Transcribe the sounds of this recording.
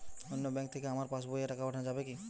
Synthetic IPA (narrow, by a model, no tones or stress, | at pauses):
onːobɛ̃ŋkt̪ʰekeamaɾpasbojaʈakapaʈʰanad͡ʒabeki